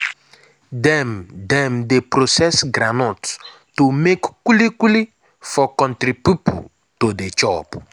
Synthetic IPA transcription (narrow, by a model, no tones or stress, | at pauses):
dɛ̃md̪ɛ̃mdepɾosɛsɡɾanɔt | tumekkulikuli | fɔkɔ̃ntɾipupṵ | todet͡ʃɔpu̥